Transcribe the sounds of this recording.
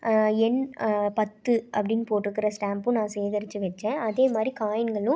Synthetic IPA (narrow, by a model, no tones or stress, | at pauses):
ɛnpɐt̪ːɯʔɐpːɐɽɪnːɯpoːʈːɪɾɯkːɪɾɐsʈaːmpʊ̃nãːsɛjðɐɾɪt͡ʃːɯʋɛʈt͡ʃːɛ̃ːʔɐðeːmaːd̪ɾikaːjɪnɡɐɭʊ̃